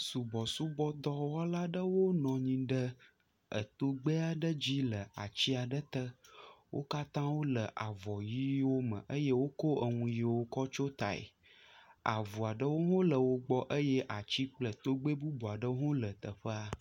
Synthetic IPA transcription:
su˨bɔ˨su˦bɔ˦d̪ɔ˦wɔ˦la˦ɖə˦wo˦nɔ̃˨ɲĩ˨ɖə˦ | ə̰˨t̪o˦ɡ͡bə˦a˨ɖə˦d͡ʑi˦lə˨a˨t͡ɕi˦a˨ɖə˦t̪ə˦wʔo̰˦ka˦t̪ã˦wo˦lə˨ʔa˨vɔ˨ji˦wo˦mə̰̃˨ʔə˦je˦wo˦ko˦ə˨ŋũ˦ji˦wo˦kɔ˦t͡ʃo˦t̪a˨ḛ˨ | a̰˨vu˨a˨ɖə˦wo˦ɦõ˦lə˨wo˦ɡ͡bɔ˦ʔə˦jɛ˦ʔa˨t͡ɕi˦k͡plə˨t̪o˦ɡ͡be˦bu˦bɔ˨a˨ɖə˦wo˦ɦõ˦lə˨t̪ə˨ɸə˦a˦

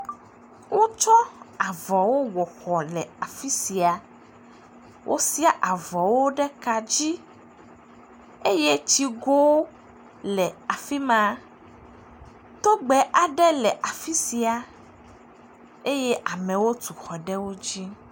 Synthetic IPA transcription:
wo˦t͡ʃɔ˦a˨vɔ˨wo˦wɔ˨xɔ˨lɛ˨a˨fi˦si˨a˨ | wʔo̰˦si˦a˦ʔa˨vɔ˨wo˦ɖɛ˦ka˨d͡ʑi˦ | e˦je˦t͡ɕi˦ɡo˦wo˦ | lɛ˨a˨fi˦mã˦ | t̪o˦ɡ͡bɛ˨ʔa˨ɖɛ˦lɛ˨ʔa˨fi˦si˨a˨ | e˦je˦ʔa˨mɛ̃˨wo˦t̪u˨xɔ˨ɖɛ˦wo˦d͡ʑi˦

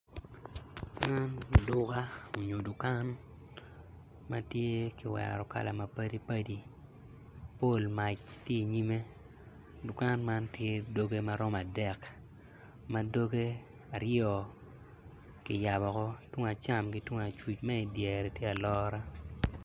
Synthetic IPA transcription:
ma˦n˨dʊ˦ka˦o˨ɲo˨du˨ka˦n | ma˦tje˦kɪ˨wɛ̰˨ɾɔ˨ka̰˨la˨ma˨pa˦di˦pa˦di˦ | po˦˨lma˨t͡ʃtje˦˨ɲi˦me˦ | du˨ka˦nma˦ntje˦do˦ɡe˦ma˦ɾɔ˦ma˨dɛ˨k | ma˦do˦ɡe˦ | a˨ɾjɔ˨ | kɪ˨ja˨bɔ˨kɔ˦two˦ŋa˨t͡ʃa˦mki˨twʊ˦ŋa˨t͡ʃwi˨t͡ʃma˦i˨djɛ˨ɾe˨tje˦a˨lɔ˦ɾa˦

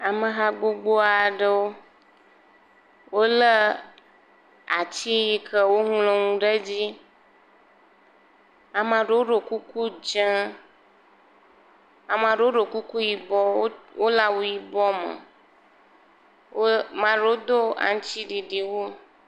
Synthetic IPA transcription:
a˨mə̃˨ɦa˦ɡ͡bo˦ɡ͡bo˦a˨ɖə˦wo˦ | wo˦lə˦ | a̰˨t͡ɕi˦ji˨kə˦wo˦ŋũ˦lo˨ŋũ˦ɖə˦d͡ʑi˦ | a˨mã˨ɖe˨wo˦ɖo˨ku˦ku˦d͡ʒã˦ | a˨mã˨ɖe˨˦wo˦ɖo˨ku˦ku˦ji˨bɔ˦o˦wo˦la˦wo˦ji˨bɔ˦mə̰˨ | wo˦mã˨ɖe˨˦wo˦d̪o˦a̰˨ŋ˦t͡ʃi˦ɖi˨ɖi˨wo˦

